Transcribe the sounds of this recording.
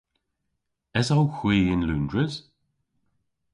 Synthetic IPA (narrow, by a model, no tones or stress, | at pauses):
ɛsawxwiːɪnluːndɹəz̥